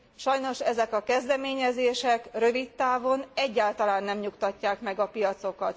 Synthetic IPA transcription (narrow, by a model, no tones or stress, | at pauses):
ʃɒjno̞ʃɛzɛkɒkɛzd̪ɛmeːɲɛzeːʃɛkrø̞vit̪ːaːvo̞nɛɟːaːlt̪ɒlaːnːɛmɲukt̪ɒcːaːkmɛɡɒpijɒt̪so̞kɒt̪